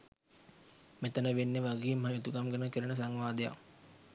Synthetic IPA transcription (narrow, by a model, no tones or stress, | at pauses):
met̪ənəʋenːeʋaɡeːmɦaet̪uɡamɡənəkəɾənəs̬aŋʋaːd̪əja̰k